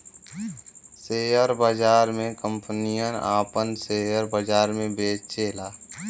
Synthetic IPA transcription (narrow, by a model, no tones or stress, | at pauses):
seːjəɾbəd͡ʒaːɾmẽkə̃mpənijəna̰ːpənseːəɾbəd͡ʒaːɾmẽbeːt͡ʃt͡ʃeːlaː